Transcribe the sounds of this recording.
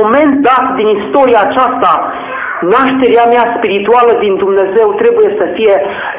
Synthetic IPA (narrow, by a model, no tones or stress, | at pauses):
oment̪̚d̪at̪d̪inist̪oɾiaːt͡ʃast̪a | naʃt̪eɾjamjaspiɾit̪ualəd̪ind̪umnezewt̪ɾebujesəfije